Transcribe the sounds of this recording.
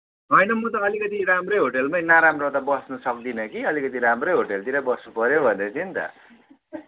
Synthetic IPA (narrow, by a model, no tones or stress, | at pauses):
ɦʌjnʌmʌt̪ʌːlikʌt̪iɾamrʌjɦoʈelmajnaɾamrot̪abʌsnʌsʌk̚d̪inʌkiʌlikʌt̪̬iɾamrʌjɦoʈelt̪iɾʌbʌsnupʌɾjobʱʌnd̪ʌt͡sʰint̪ʌ̰